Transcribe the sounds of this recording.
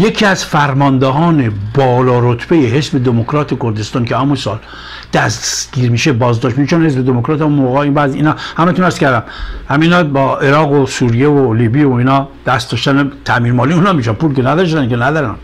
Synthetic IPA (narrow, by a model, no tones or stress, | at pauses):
jekʰiæz̥fæɾmɒnd̪eɦɒːnebɒːlɒːɾot̪ʰb̥ejeɦe̞sbe̞d̪emokʰɾɒːt̪ʰekoɾd̪e̞st̪ɒːnkʰeæmusɒ̰ːl | d̪̥æsɡ̥iːɾmiːʃebɒːzd̪ɒʃt̪miʃet͡ʃonhe̞sbed̪emokɾɒt̪æmumoɣɒinbæziiːnɒːhæmæt̪unæɾskʲæɾd̪æmhæminɒːbɒːeɾɒːɣosuːɾijevoliːbiːoiːnɒːd̪̥æst̪d̪ɒːʃt̪ænet̪ʰæmiːɾmɒːliuːnɒmiʃænpuːlkenæd̪ɒʃ̬t̪ænkenæd̪ɒɾæn